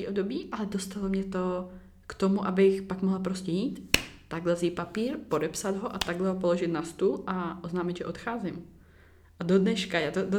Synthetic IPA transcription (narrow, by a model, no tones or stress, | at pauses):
iːʔobdobiːʔalɛdost̪alomɲɛt̪o | kt̪omuʔabɪxpaɡmoɦlapɾoscɛjiːt̪ː | aɡlɛzjipapiːɾpodɛpsad̪ɦoʔat̪aɡɦlɛɦop̬oloʒɪt̪nast̪uːlʔaʔoznaːmɪd̪ʒɛʔot̪xaːzɪm | ʔadodnɛʃkajaːt̪odo